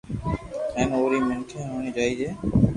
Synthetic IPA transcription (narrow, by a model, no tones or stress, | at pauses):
ɛ̃ːnoːɾiːmənkʰẽːɦoːɳ̃ĩːd͡ʒaːiːd͡ʒeː